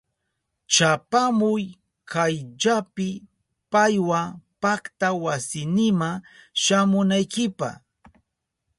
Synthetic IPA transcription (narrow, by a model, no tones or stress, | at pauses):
t͡ʃapamʊj | kajʎapɪ | pajwapakt̪awasɪnɪmaʃamʊnajkɪpa̰χ